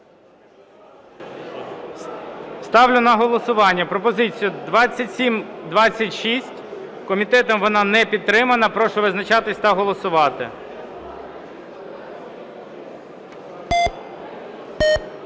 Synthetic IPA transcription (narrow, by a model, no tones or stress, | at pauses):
st̪ɑwlʲʊnɐɦɔlˠɔsʊʋɑnʲːɐpɾɔpɔzɪt͡sʲijʊd̪ʋɑt͡sʲːɐtʲsʲimd̪ʋɑt͡sʲːɐtʲʃisʲtʲ | kɔmʲit̪ɛt̪ɔmʋɔnɑnɛpʲid̪̚t̪ːɾɪmɐnɐpɾɔʃɔʋɪznɐt͡ʃɑt̪ɪsʲt̪ɐɦɔlˠɔsʊʋɑt̪ɪ̰